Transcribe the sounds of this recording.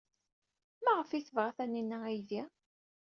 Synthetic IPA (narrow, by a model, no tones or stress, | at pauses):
mæʁəfiθəvʁæθæninːææjði